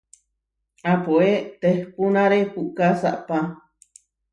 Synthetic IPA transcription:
apuet̪ehpunaɾepuʔkasa̰ʔpa

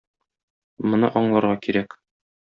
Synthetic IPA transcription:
mŏnɤ̰ʔɒɴlˠɑɾʁɑkiɾæk

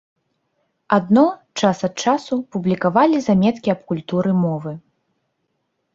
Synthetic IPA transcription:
ad̪nɔt͡ʂasɐt̪̚t͡ʂasupublʲikavalʲizamʲɛt̪kʲiɐpkulʲt̪uɾɨmɔvɨ

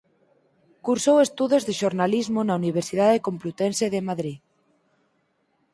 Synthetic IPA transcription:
kuɾsowest̪uðozðeʃoɾnalizmonauniβ̞eɾsið̞aðekomplut̪enseðemaðɾi

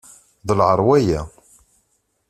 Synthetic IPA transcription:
ðəlʕəɾˤwæjæ

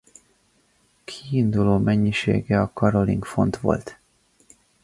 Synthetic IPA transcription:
kʰiind̪uloːmɛɲːiʃḛːɡɛɒkɒɾo̞lḭŋkfo̞̰nt̪ʋo̞̰lt̪

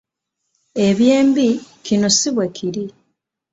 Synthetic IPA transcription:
e̞βje̞ːmbikino̞siβwe̞kʰiɾi

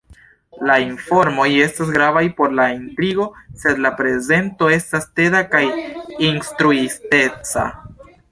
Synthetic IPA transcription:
lainfo̞ɾmo̞je̞stas̬ɡɾavajpo̞ɾlaintɾiɡo̞se̞d̪lapɾe̞ze̞nto̞e̞staste̞dakajinstɾuiste̞t͡sa̰

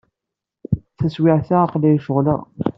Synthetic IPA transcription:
θæswɪʕθaːqlilʃəʁlæ̰

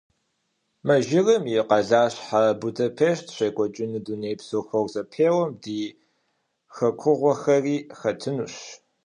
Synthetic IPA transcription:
mɐʒɪrɨmjɪqɐɮaːɕħabudɐpʰeːʃtʰɕʷeːkʷʼɔt͡ʃʼɪnɨduneːpsoːxɐrzɐpʰeːwɐmdiː | xɐkʷʰʊʁʷɔxɐriːxɐtʰɨnuɕ

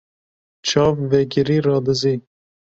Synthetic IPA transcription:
t͡ʃʰɑːvːɛɡɪɾiːɾɑːd̪ɨziː

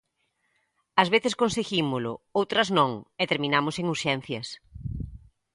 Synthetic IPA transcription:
ɐzβeθɪskonseɣimʊlʊowt̪ɾɐznõŋet̪eɾmĩnamʊseŋuɾʃɛn̟θjɐs

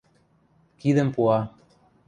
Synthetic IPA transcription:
kiðəmpuɑ

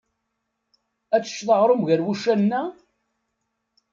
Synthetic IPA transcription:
æt͡sːə̥ʃːθəʁɾˤomʝæɾwuʃænːæ

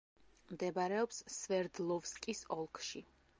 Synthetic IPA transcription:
md̪ɛbaɾɛɔpssvɛɾd̪lˠɔvskʼisɔlˠkʰʃi

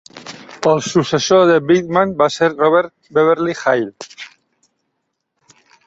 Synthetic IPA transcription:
elsusesoðeβiðmãnbaseɾroβeɾt̪̚ | beβ̞eɾlixajl

